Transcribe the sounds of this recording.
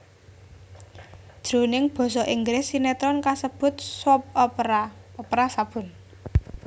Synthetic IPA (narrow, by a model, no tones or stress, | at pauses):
d̥ʒ̥ɾo̤nɪŋb̥ɔ̤sɔʔiŋɡɾɪsinɛt̪ɾɔnkasəb̥ʊ̤t̪̚sɔp̚aɔpɾasab̥ʊ̤n